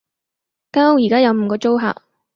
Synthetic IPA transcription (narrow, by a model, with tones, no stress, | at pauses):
kaː˥ho˧wjiː˨˩kaː˥jɐ˨˧wm̩˨˧˩kɔː˧t͡ʃo˥wɦa̰ː˨k̚